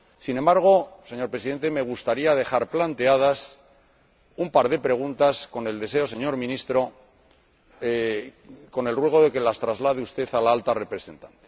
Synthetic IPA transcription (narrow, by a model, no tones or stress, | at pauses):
sinẽ̞mbaɾɣ̞o̞se̞ɲo̞ɾpɾesiðe̞nt̪e̞me̞ɣ̞ust̪aɾiað̞e̞xaɾplant̪e̞að̞as | umpaɾð̞e̞pɾe̞ɣ̞unt̪asko̞ne̞ld̪e̞s̬e̞o̞seɲo̞ɾmĩnist̪ɾo̞ | e | ko̞ne̞lrwe̞ɣ̞o̞ðe̞ke̞last̪ɾazlaðeust̪e̞θalaalt̪are̞pɾe̞se̞nt̪ant̪e